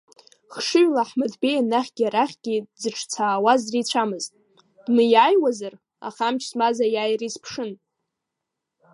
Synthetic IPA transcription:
χʂɨɥlaħmadbejanaχʲɡʲiaɾaχʲɡ̥ʲizɨʈ͡ʂʰt͡sʰaːwazrit͡ɕʷʰamɨztʼ | d̥mɨjaːjwazar | a̰χamt͡ʃʰsmazajaːjrispʰʂɨn

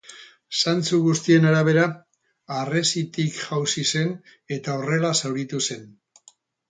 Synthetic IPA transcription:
sant͡suɣust̪ie̞naɾaβ̞e̞ɾaː | re̞sit̪ikʝawsise̞n | e̞t̪ao̞re̞lasawɾit̪use̞n

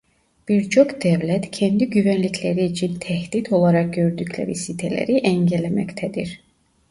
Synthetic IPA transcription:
b̥iɾt͡ʃʰokd̪ævlæt̪cʰɛnd̪iɟyvænlicʰlæɾiːt͡ʃʰint̪ʰæhd̪it̪ʰo̞lˠɑɾɑk̚ɟøɾd̪ycʰlæ̰ɾisit̪ʰælæ̰ɾiʔæɲɟælæmæ̰ct̪ʰæd̪iɾ

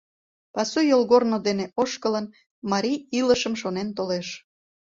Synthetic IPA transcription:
pɑsujolɣornod̪eneʔoʃkələn | mɑɾiiləʃəmʃonent̪oleʃ

